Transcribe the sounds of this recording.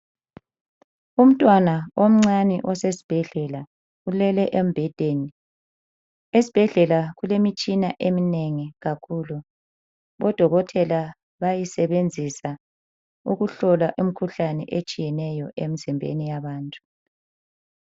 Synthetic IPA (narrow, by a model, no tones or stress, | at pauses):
um̩tʼwanaom̩ŋ͡ǀanḭʔɔsesi̥b̥ʱɛɮɛla | ulɛlɛʔem̩b̥ʱɛd̥ʱeːni | esi̥b̥ʱɛɮɛlaɣulemit͡ʃʼinaʔemineŋiɣakʰulu | βɔd̥ʱɔɣɔtʰɛla | βajisɛβend͡zʱisa | uɣuɬɔlaʔum̩kʰuɬanɛ̰ʔet͡ʃʼijɛnɛjɔʔemizimbʱḛnijaβaːntʼu̥